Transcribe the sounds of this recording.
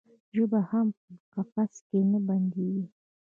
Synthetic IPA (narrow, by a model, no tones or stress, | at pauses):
ʒəbahampəmʊqafaskenəband̪eɡi